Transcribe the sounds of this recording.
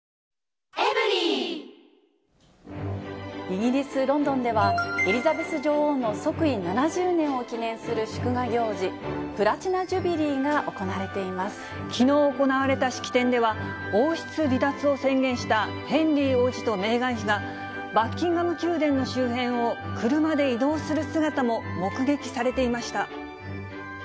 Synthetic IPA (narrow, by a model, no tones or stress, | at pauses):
eɾi | iɡʲiɾʲisɨɾõ̞nd̪õ̞nd̪e̞βaeɾʲizabe̞sɨʑoːhoːnːo̞so̞kɯ̟inanaʑɨːnẽ̞ɰ̃o̞kʲinẽ̞ɰ̃sɨɾɯ̟ɕɨ̥kɯ̟ɡaɡʲo̞ːʑipɯ̟ɾat͡ɕinad͡ʑɨbʲiɾʲiːɡaʔo̞ko̞naɾe̞t̪e̞imasɨ̥ | kʲʰino̞ːoko̞naβaɾe̞t̪aɕi̥kʲi̥t̪ẽ̞nd̪e̞βa | oːɕi̥t͡sɨɾʲit̪at͡sɨo̞sẽ̞ŋɡʲẽ̞ɰ̃ɕi̥t̪a | hẽ̞nɾʲiːo̞ːʑi̥t̪o̞me̞ːɡãɰ̃çiɡa | bakʲːĩŋɡɯno̞kʲɨːd̪ẽ̞nːo̞ɕɨːɦẽ̞ɰ̃o̞kʰɯɾɯ̟mad̪e̞id̪o̞ːsɨɾɯ̟sɨɡat̪amo̞mo̞kɯ̟ɡe̞kʲi̥saɾe̞t̪e̞imaɕi̥t̪a